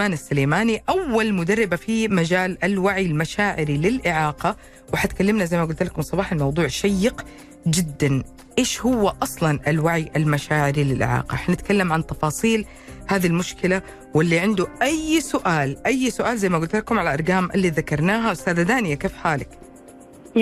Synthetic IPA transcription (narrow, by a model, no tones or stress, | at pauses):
maːnasːaleːmaːniʔawːalmʊd̪arˤːɪbafimad͡ʒaːlalwaʕilmaʃaːʕɪɾilɪlʔɪʕɑːqɑ | wɪħat̪kalːɪmnazajmaɡʊlt̪ɪlakʊmsˤɑbɑːħalmɑwd̪ˤuːʕʃajːɪq | d͡ʒɪd̪ːan | ʔeːʃhʊwːaʔɑsˤlɑnʔalwaʕijʔalmaʃaːʕɪɾilɪlʔɪ̰ʕɑ̰ːqɑʔaħnanɪt̪kalːamʕant̪ɑfɑːsˤiːl | haːðilmʊʃkɪla | wɪlːiʕɪnd̪uʔajsʊʔaːlʔajːsʊʔaːlzajmaɡʊlt̪lakʊmʕalaʔɑɾˤɡaːmʔa̰lːiːðakɑɾˤnaːɦawɪst̪aːðad̪aːnɪjakeːfħaːlɪk